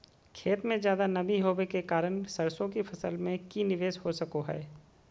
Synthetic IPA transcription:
kʰeːt̪mẽzjaːd̪anɐbʱiɦoːʋekekaːɾəñsɐɾsõkipʰɐsəlmẽkinɪʋeːʃhosɐkoɦɛ̰ː

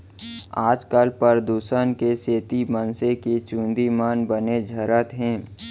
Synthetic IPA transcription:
aːd͡ʒkəlpəɾd̪uːsənkeseːt̪imənseket͡ʃũːnd̪imaːnbəned͡ʒʱəɾət̪ɦɛ̃ː

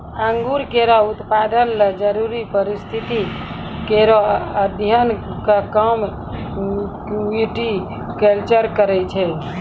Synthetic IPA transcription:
aŋɡuɾkeɾɔut̪pad̪ənled͡ʒəɾuɾipəɾist̪ʰit̪i | keɾoəd̪ʱjənkakəm | kiʈi | kɛlt͡ʃəɾkəɾɛt͡ʃʰɛ

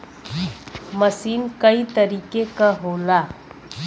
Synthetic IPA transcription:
mɐsiːnkɐit̪ɐɾiːkekaɦoːlaː

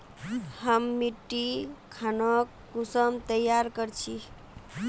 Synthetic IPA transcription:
həmːiʈːikʰanək | ɡusəmt̪əjaɾkəɾt͡ʃʰi

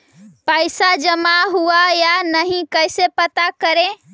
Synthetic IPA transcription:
pəjsad͡ʒəmaɦuajanəɦĩkəjsepət̪akəɾẽ

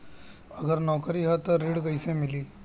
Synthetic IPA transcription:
ɐɡəɾnɔːkɾiɦɛt̪oɾɪɽkɐɪsemɪliː

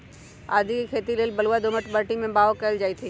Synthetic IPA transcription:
a̰ːd̪iikʰeːt̪ileːlbɐluad̪ʊməʈbəɾʈimẽbaːokɐɪld͡ʒaːit̪ʰiː

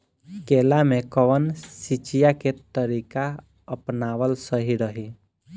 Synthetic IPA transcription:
keːlamẽkəʋənsit͡ʃijaket̪əɾiːka | əpnaːʋəlsəɦiɾəɦi

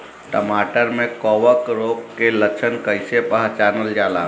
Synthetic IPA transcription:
ʈəmaʈəɾmẽkɔʋəkɾokkeləkt͡ʃʰənkəjsepaɦat͡ʃanəld͡ʒala̰

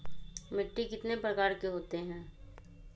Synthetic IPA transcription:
mɪʈːikɪt̪nepɾɐkaːɾkeɦoːt̪eɦɛ̃ː

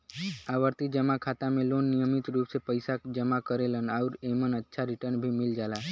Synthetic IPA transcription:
aʋəɾt̪id͡ʒəmakʰat̪amẽlonːijəmit̪ɾupsepəjsakd͡ʒəmakəɾelənauɾemənətːʃʰaɾiʈəɾnbʱimɪld͡ʒala

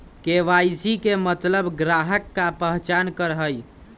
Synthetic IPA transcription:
keʋajsikemət̪ləbɡɾaɦəkːapəɦt͡ʃankəɾɦəj

